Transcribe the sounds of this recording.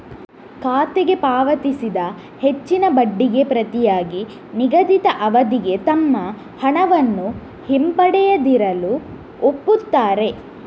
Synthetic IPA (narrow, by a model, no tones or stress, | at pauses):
kaːt̪eɡe̞paːʋɐt̪isid̪ɐ | he̞t͡ʃːinɐbɐɖːiɡe̞pɾɐt̪ijaːɡi | niɡɐd̪it̪ɐʔɐʋɐd̪iɡe̞t̪ɐmːɐ | hɐɳɐʋɐnːu | himpɐɽɛjɐd̪iɾɐlu | opːut̪ːaːɾe̞